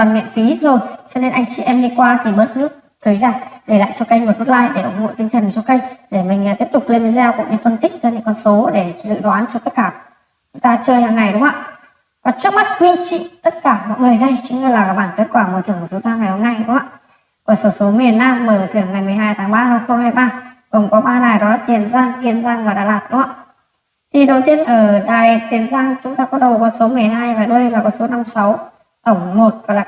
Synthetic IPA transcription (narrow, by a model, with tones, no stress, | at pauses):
t̪ə˨˩nmḭ˧˨nfi˨˦zo˨˩jt͡ɕɔ˧ne˧nʔa˧jŋt͡ɕḭ˧˨ʔɛ˧mɗi˧kwaː˧t̪ʰi˨˩ɓəː˦˥t̚tɨ˦˥ək̚t̪ʰəː˨˩jzaː˧nɗe˧˩la̰ː˧˨jt͡ɕɔ˧ka˧jŋ̟və˨˩t̚və˦˥t̚laː˧jɗe˧˩ʔʊ˨˩ŋ͡mho̰˧˨jt̪ï˧ŋ̟t̪ʰə˨˩nt͡ɕɔ˧ka˧jŋ̟ɗe˧˩mï˨˩ŋ̟˨˩t̪i˦˥əp̚t̪ʊ˨˩k͡p̚le˧n˧zɛ˧wkṵ˧˥ɲɨ̰˧˥fə˧nt̪i˦˥k̚zɔ˧ɲɨ̰˧˥ŋkɔ˧nso˨˦ɗe˧˩zɨ̰˧˨ɣaː˨˦nt͡ɕɔ˧t̪ə˦˥t̚kaː˧˩ | t͡ɕʊ˨˦t̪aː˧t͡ɕəː˧jha̰ː˧˨ŋa˨˩jɗʊ˨˦ŋ͡mha̰ː˧˨ | kaː˨˩˦t͡ɕɨ˦˥ək̚ma˦˥t̚kwi˧t͡ɕḭ˧˨t̪ə˦˥t̚kaː˧˩mɔ̰˧˨məː˨˩jɗə˧jt͡ɕɨ˨˦ŋ˧˩laː˨˩kaː˧˩ɓaː˧˩ke˦˥t̚kwaː˧˩mo˧˩t͡ɕɨ˧˩əŋkːt͡ɕʊ˨˦t̪aː˧ŋa˨˩jho˧mna˧jɗʊ˨˦ŋ͡ma̰ː˧˨ | ku˧˩əsəː˧˩so˨˦m˧˨˩ən̚naː˧mːəː˨˩˨t̪ʰɨ˧˩əŋa˨˩jmɨ˨˩əjɦaː˧jt̪ʰaː˨˦ŋɓaː˧hə˧˩xə˧wŋ͡mhaː˧jɓaː˧kɔ˨˩nkɔ˨˦ɓaː˧naː˨˩jɗɔ˨˦laː˨˩t̪i˨˧˩ənzaː˧ŋɣi˧ənzaː˧ŋvaː˨˩ɗa̰ː˧˩laː˨˩t̚ɗʊ˨˦ŋ͡ma̰ː˧˨˩ | t̪ʰi˨˩ɗə˨˩wt̪i˧ənʔəː˧˩ɗaː˨˩jt̪i˨˦ənzaː˧ŋt͡ɕʊ˨˦ŋ͡mt̪aː˧kɔ˨˦ɗə˨˩wkɔ˨˦so˨˦mɨ˨˩əjɦaː˧jvaː˨˩ɗo˧jlaː˨˩kɔ˨˦so˨˦na˧msa˨˦w | t̪ə˧˩wŋ͡mmo˨˩t̚vɔ˧˨˦jlaː˨˩